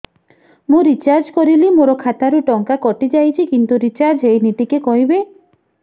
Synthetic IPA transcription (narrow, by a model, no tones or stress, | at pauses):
mũɾit͡ʃaɾd͡ʒkɔɾilimoɾɔkʰat̪aɾuʈɔŋkakɔʈid͡ʒajt͡ʃʰikint̪uɾit͡ʃaɾd͡ʒɦejniʈikekɔɦibe